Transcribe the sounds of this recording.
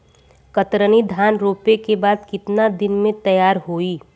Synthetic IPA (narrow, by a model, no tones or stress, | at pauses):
kət̪ɾənid̪ʱaːnɾoːpekebaːd̪kɪt̪nad̪ɪnmẽt̪ɐjaːɾɦoːiː